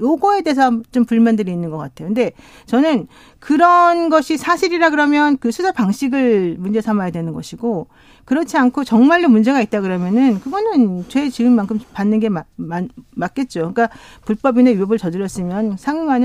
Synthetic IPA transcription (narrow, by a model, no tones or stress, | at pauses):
joɡoe̞deːs̬ʰʌt͡ɕompuɭmjandɯɾiːnːɯnɡʌk͈atʰe̞joɯnde̞ | t͡ɕʌnɯn | kɯɾʌnɡʌɕʰisʰaɕʰiɾiɾaɡɯɾʌmjʌnkɯsʰusʰapaŋɕʰiɡɯɭmund͡ʑe̞sʰamajadwe̞nɯnɡʌɕʰiɡo | kɯɾʌt͡ɕʰiankʰot͡ɕʌŋmaɭːomund͡ʑe̞ɡait̚t͈aɡɯɾʌmjʌnɯnkɯɡʌnɯnt͡ɕwe̞t͡ɕiɡɯmːaŋkʰɯmpanːɯnɡe̞mmamak͈̚e̞t̚t͡ɕ͈okɯik͈a | puɭp͈ʌbinejuʌbɯɭt͡ɕʌdɯɾjʌs͈ɯmjʌnsʰaŋŋwanɯ